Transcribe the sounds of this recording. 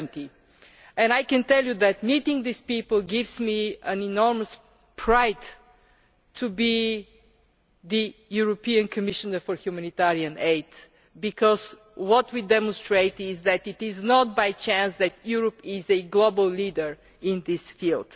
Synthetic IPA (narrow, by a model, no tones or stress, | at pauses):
nt̪i | ɛ̃najkɛ̃nt̪ɛlˠjuðæt̪mit̪ɪ̃ŋðispipəlˠɡɪvzmiə̃nɛnɔɹməs | pʰɹaɪd | ubi | ðijuɹɔpiə̃nkʰəmɪʃənə˞fɔɹhjumænit̪aɹiə̃neɪt̪ | bikʰɔz | wɔt̪widɛmɔ̃nstɹeɪt̪ɪzðæt̪ɪt̪ɪznɔt̪̚bajt͡ʃæ̃nsðæt̪ʰjuɹəpɪzɨɡlobəlˠlid̪ə˞ | ɪ̃nðɪsfilˠd̥